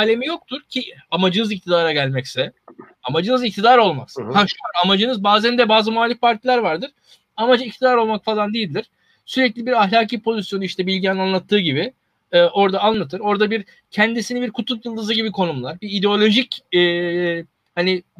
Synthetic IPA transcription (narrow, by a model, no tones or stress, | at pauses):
alʲe̞mijo̞k̚t̪ʰuɾcʰiamad͡ʒɯnɯzic̚t̪ʰid̪aːɾaɟælʲmɛcsɛ | amad͡ʒɯnɯzict̪ʰid̪aːɾo̞lˠma̰kshaʃuaɾamad͡ʒɯnɯzbaːzænd̪ɛbaːzɯmoalʲːifpʰaɾt̪ʰilʲæɾvaɾd̪ɯɾ̥ | amad͡ʒɯic̚t̪ʰid̪aːɾo̞lˠmakfalˠand̪ijilʲːiɾ̥ | syɾɛclʲibiɾaɦlʲaːcʰiːpʰo̞zisjo̞nuiʃt̪ʰɛbilʲɟiɛnanlˠat̪ʰːɯːɟibɪ | ɛːʔo̞ɾd̪aanlˠat̪ʰɯɾo̞ɾd̪abiɾ | cʰɛnd̪isinibiɾkʰut̪ʰup̪jɯlˠd̪ɯzɯɟibikʰo̞numlˠaɾbiid̪eo̞lʲo̞ʒicɛː | hani